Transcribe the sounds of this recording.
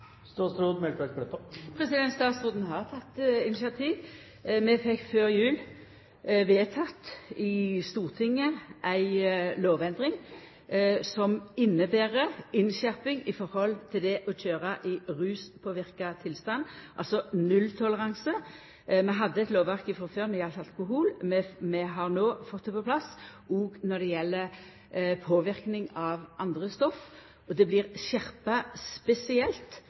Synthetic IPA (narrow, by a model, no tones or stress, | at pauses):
st̪ɑːsɾuːd̪mɛlkɛklɛpːɔpʰʁɛsɪd̪ɛnst̪ɑːt̪sʁuːd̪n̩ɦɑʁt̪ʰɑt̪ːɪnɪʃɑt̪ʰiːʋ | mɛfɛkːføːʁjʉːl | ʋeːt̪ʰɑt̪ɪst̪uːʁt̪ʰɪŋːəʔæɪloːʋɛnd̪ʁɪŋ | sɔmɪnːəbæːʁəɪnʃæʁpɪŋɪfɔɾhɔlt̪ʰɪld̪ɛʔɔc͡çøːʁɑʔɪʁʉːspʰoːʋɪʁkɑt̪ʰɪlst̪ɑnːʔɑ̰lsɔnʉlt̪ʰɔləʁɑnsə | mɛɦɑd̪ːəɛt̪loːʋʋæʁkɪfɔføːʁnɛjɛlt̪ɑlkʊɦuːlmɛmɛɦɑʁnoːfɔt̪ːɛpɔpʰlɑsɔɡnɔɖ̪ɛjɛlːə | pʰoːʋɪɾknɪŋɑʋʔɑnd̪ʁəst̪ɔf | ɔd̪ɛblɪʁɕæɾpɑspɛsɪɛlt̪